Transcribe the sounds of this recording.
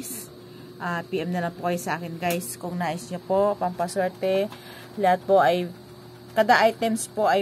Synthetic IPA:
s | ʔapiːʔɛmnɐlaŋpokɐjosɐʔaːkɪnɡajskʊŋnaːʔɪsɲopo̞pɐmpɐswɛɾt̪ɛ | lɐhat̪̚po̞ʔɐj | kɐd̪aʔajt̪ɛmspo̞ʔɐ

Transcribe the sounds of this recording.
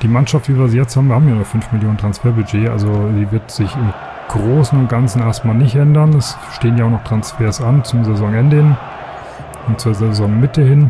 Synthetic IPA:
d̥iːmanʃaftviːviːɐziːjɛt͡sthaːbmviɐhaːmjanuːɐfʏnfmɪljoːntʁ̥ansfeːɐbyd͡ʒeːʔa̰lzoziːvɪɐtz̥ɪçɪm | ɡ̥ʁoːsn̩ʊnt̚ɡ̥ant͡sn̩ʔeːɐstmaːlnɪçtʔɛndɐnɛs | ʃteːənjaʊnɔχtʁ̥ansfeːɐsʔant͡sʊmzɛzɔŋʔɛndəhɪn | ʊnt͡suːɐzezɔŋmɪtəhɪn

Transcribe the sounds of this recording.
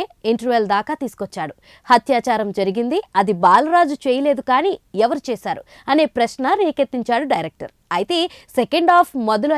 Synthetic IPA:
iɳʈɐɾʋeld̪aːkaːt̪iːsu̥kot͡ʃːaːɽu | hɐt̪jaːt͡ʃaːɾɐmd͡ʒɐɾiɡind̪iɐd̪ibaːlɐɾaːd͡ʒut͡ʃeːjɐle̞ːd̪ukaːniːɛʋɐɾut͡ʃeːsaːɾu | ɐne̞ːpɾɐʃnɐɾiːket̪ːiɲt͡ʃaːɽuɖɐjɾek̚ʈɐ̰ɾ | ɐjit̪e̞ːsekeɳɖaːpʰmɔd̪ɐlo

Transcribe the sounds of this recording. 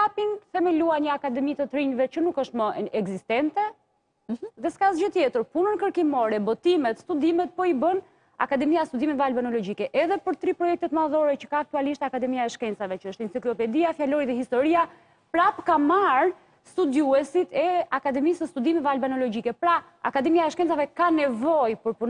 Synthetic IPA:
apinfɛmɛluaɲəakad̪ɛmit̪ət̪ɾiɲvɛt͡ʃənukəʃt̪məɛɡzist̪ɛnt̪ɛ | ðɛskazd͡ʒət̪jɛt̪əɾpunənkəɾkimɔɾɛbɔt̪imɛt̪st̪ud̪imɛt̪̚pɔibən | a̰kad̪ɛmiast̪ud̪imɛvalbanɔlɔɟikɛʔɛðɛpəɾt̪ɾipɾɔjɛk̚t̪ɛt̪maðɔɾɛt͡ʃə̥kaːk̚t̪ualiʃt̪akad̪ɛmiaɛʃkɛnt͡savɛt͡ʃəəʃt̪int͡siklɔpɛd̪iafjalɔɾiðɛhist̪ɔɾia | pɾapkamaɾ | st̪ud̪juɛsit̪ɛakad̪ɛmisəst̪ud̪imɛvalbanɔlɔd͡ʑikɛpɾa | a̰kad̪ɛmiaɛʃkɛnt͡savɛkanɛvɔjpəɾpun

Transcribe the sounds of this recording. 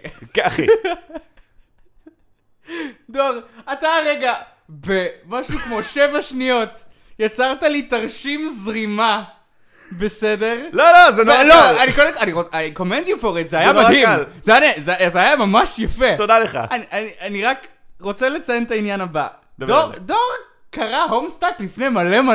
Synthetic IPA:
kaχi | doʁataʁeɡa | be̞maʃukmo̞ʃe̞vaʃnijo̞t | jat͡saʁtalitaʁʃimzʁima | be̞sede̞ʁlolozenloanikodekaniʁoako̞mendjufoʁet̪zeajamaimlzeanazezeajamamaʃjafe̞t̪od̪aleχa̰aniʔaniʔaniʁak | ʁo̞t͡sele̞t͡sajent̪ainjanaba̰ | d̪vdodoʁ | kaʁaɦomst̪atlifne̞jmale̞ma

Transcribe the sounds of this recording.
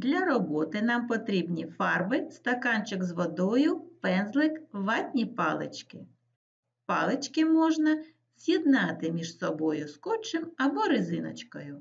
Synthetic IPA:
d̪lʲɐɾɔbɔt̪ɪnɑmpɔt̪ɾʲibnʲifɑrbɪst̪ɐkɑnt͡ʃɪkzʋɔd̪ɔjʊpɛnzlˠɪkʋɑtʲnʲipɑlˠɪ̰t͡ʃkɪ | pɑlˠet͡ʃkɪmɔʒnɐ | z̥ʲjid̪nɑt̪ɪmʲiʒsɔbɔjʊskɔt͡ʃɪmɐbɔɾɪzɪnɐ̰t͡ʃkɔjʊ

